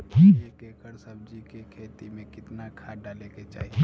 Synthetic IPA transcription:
ɦiekekəɾsəb̚d͡ʒikekʰeːt̪imẽkɪt̪nakʰaɖaːleket͡ʃa̰ːɦii

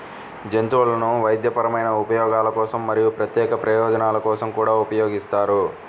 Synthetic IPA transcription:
d͡ʒent̪uʋɐlɐnuʋɐjd̪jɐpɐɾɐmɐjnɐupɐjɔːɡaːlɐkɔːsɐmːɐɾijupɾɐt̪jɛːkɐpɾɐjɔːd͡ʒɐnaːlɐkɔːsɐmkuːɽaːupɐjoːɡist̪aːɾu

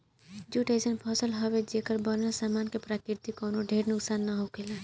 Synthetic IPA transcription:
d͡ʒuʈesənpʰɔsəlɦɔbed͡ʒekəɾbəɾnasaːmaːnkepɾaːkɪɾt̪ikɔːnoɖʱeːɾnʊksaːnːaɦokela

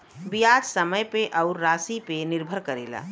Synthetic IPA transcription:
bijad͡ʒsəməjpeʔɐʊɾːaːsipenɪɾbʱəɾkəɾḛːla̰ː

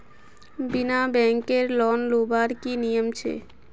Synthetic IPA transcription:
binabɛŋkeɾlɔnlobaɾkinijomt͡ɕʰḛ

